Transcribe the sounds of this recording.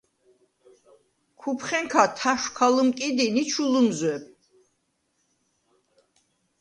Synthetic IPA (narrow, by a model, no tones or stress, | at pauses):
kʰupʰχɛŋkʰat̪ʰaʃkʰalumkʼid̪init͡ʃʰulumzwɛb